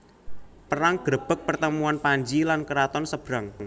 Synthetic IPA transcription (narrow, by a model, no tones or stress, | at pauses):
pəɾaŋɡ̥ɾəb̥ək̚pərt̪əmuanpaɲd͡ʒilankəɾat̪ɔnsəb̥ɾaŋŋ